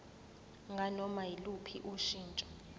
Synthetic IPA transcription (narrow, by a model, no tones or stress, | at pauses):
ŋɡʱanɔmajilupʰiʔuʃiːnt͡ʃʼɔ̥